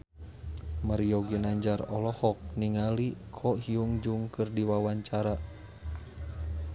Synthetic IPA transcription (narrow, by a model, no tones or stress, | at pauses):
maɾijɔɡinaɲd͡ʒarɔlɔhɔk̚niŋalikʰɔɦiuŋd͡ʒuŋkɨrdiwawaɲt͡ʃaɾa